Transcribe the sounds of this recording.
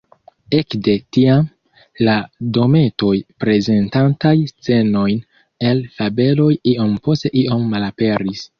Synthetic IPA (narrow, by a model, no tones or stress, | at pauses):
e̞kde̞tiam | lado̞me̞to̞jpɾe̞ze̞ntantajst͡se̞no̞jn | e̞lfabe̞lo̞jiʔo̞mpo̞ste̞ʔiʔo̞mːalape̞ɾis